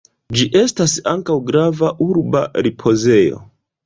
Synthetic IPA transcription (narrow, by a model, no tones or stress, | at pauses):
d͡ʒiʔe̞stasaŋkawɡɾavaʔuɾba̰ɾipʰo̞ze̞jo̞̰